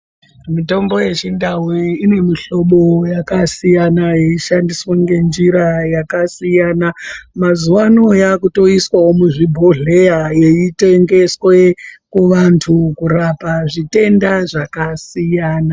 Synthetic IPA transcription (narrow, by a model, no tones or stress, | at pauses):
mito̞mbo̞je̞t͡ʃindawiːne̞miɬo̞ɓo̞jakasijanaje̞iʃandiswaŋɡe̞nd͡ʒiɾajakasijanamazuwanojakuto̞iswawo̞muʐibʱo̞ɮe̞jaje̞ite̞ŋɡe̞swe̞kuʋantʰukuɾapaʐite̞ndaʐakasijaːna